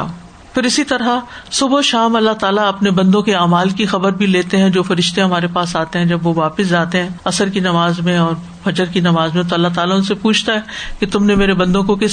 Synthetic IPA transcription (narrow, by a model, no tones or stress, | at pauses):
fɪɾɪsit̪ɐɾɦasʊboʃaːmɐlːaɦt̪aːlaɐpnebɐ̃nd̪õkeaːmaːlkixɐbəɾbʱileːt̪eɦɛ̃d͡ʒoːfɐɾɪʃt̪eɦɐm̤aːɾepaːsaːt̪eɦɛ̃d͡ʒɐbʋoʋaːpɪs̬d͡ʒaːt̪eɦɛ̃ɐsəɾkinɐmaːzmẽɔːɾ | fɐd͡ʒəɾkinɐmaːzmẽt̪oɐlːat̪aːlaʊnsepuːt͡ʃʰt̪aɦɛket̪ʊmnemeːɾebɐ̃nd̪õkokɪs